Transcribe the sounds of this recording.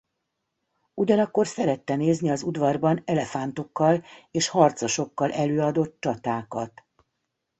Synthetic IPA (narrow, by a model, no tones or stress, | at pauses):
uɟɒnɒkːo̞rsɛɾɛt̪ːɛneːzniɒzud̪vɒrbɒnɛlɛfant̪o̞kːɒleːʃhɒrt̪soʃo̞kːɒlʔɛløːɒd̪o̞t̪̚t͡ʃɒt̪aːkɒt̪